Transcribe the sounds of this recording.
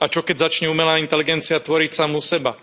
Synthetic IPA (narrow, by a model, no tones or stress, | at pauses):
at͡ʃɔkɛɟzat͡ʃɲɛuːmɛlaːint̪ɛliɡɛnt͡siat̪ʋɔɾicsamusɛba